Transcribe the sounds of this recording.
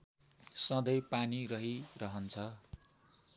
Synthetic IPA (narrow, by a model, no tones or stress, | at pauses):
sʌ̃d̪ʌjpanirʌɦirʌɦʌnt͡sʰʌ